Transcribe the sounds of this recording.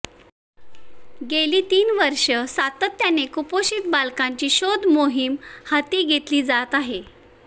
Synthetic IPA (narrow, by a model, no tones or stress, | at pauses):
ɡeliːt̪iːnʋəɾʂəsat̪ət̪ːjanekupoɕiːt̪̚balkãɲt͡ɕiːɕod̪ʱmoɦimhat̪iːɡʱet̪liːd͡zat̪aɦe